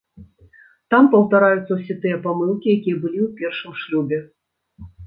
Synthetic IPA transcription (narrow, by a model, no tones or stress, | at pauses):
t̪ampɐwt̪aɾajut̪sɐwsʲɛt̪ɨjɐpamɨlˠkʲijakʲijɛbɨlʲiwpʲɛrʂɨmʂlʲubʲɛ